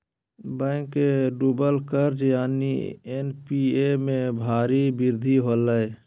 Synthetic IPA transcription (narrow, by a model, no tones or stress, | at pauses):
bɛ̃ːŋkːeɖuːbəlkəɾd͡ʒjaːnḭenpiemẽbʱaːɾibɪɾd̪ʱiɦoːləe